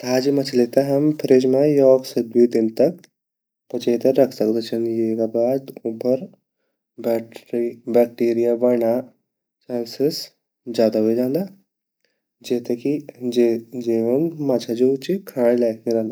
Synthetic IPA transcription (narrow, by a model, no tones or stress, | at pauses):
t̪aːd͡ʒimɐt͡ʃʰleːt̪aɦɐmpʰɾed͡ʒmãjɔːɡsed̪uid̪ɪnt̪ɐk | pɐt͡ʃeːt̪əɾɾɐkʰsɐkd̪et͡ʃʰɐnjeːkabaːd̪upəɾ | bɛːk̚ʈiːɾijabɐɳa | t͡ʃaːnsɪs | d͡ʒjaːd̪aɦoed͡ʒãːnd̪aː | d͡ʒeːt̪eki | d͡ʒiːʋənmat͡ʃʰad͡ʒut͡ʃikʰãːɽ̃laːkʰniɾɐɦnd̪a